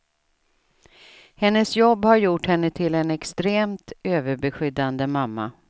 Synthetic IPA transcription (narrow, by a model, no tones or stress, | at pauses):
hɛnːəsjɔbːhaɾjʊʈhɛnːət̪ʰɪlɛnɛkst̪ɾeːmt̪øːvəɾbɛɧʏd̪ːand̪əmamːa̰